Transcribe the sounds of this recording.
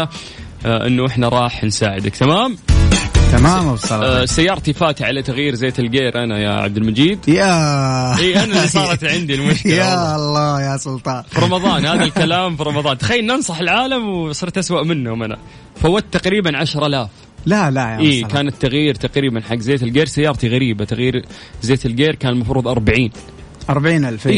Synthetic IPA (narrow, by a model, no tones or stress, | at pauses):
a | ʔɪ̰nːuʔɪħnaɾˤɑːħnsaːʕɪd̪akt̪amaːm | t̪amaːmabsˤɑlsajːɑːɾˤt̪ifaːt̪ʕalat̪aɣjiːɾzeːt̪ɪlɡeːɾʔanaja̰ʕa̰b̚d̪ɪlmad͡ʒiːd̪jaʔiːʔʔanalːisˤɑːɾˤɑt̪ʕɪnd̪ilmʊʃkɪjalˤːɑːjasˤʊlt̪ˤɑːfiɾˤɑmɑðˤɑːnhaːððalkalaːmfiɾˤɑmɑðˤɑːnt̪axajːalnːʔɑnsˤɑħɪlʕaːlamwsˤɨɾt̪ʔaswaʔmɪnːumana̰ | fawːat̪ːaqɾiːbanʕaʃɾˤʔalaːf | lalajʔiːkaːnɪt̪ːaɣjiːɾt̪aqɾiːbanħaɡːzeːt̪ɪlɡeːɾsajːɑːɾˤt̪iɣaɾiːbat̪aɣjiːɾ | zeːt̪ɪlɡeːɾkaːnɪlmɑfɾuːðˤʔɑɾˤbaʕiːn | ʔɑɾˤbaʕiːnʔalf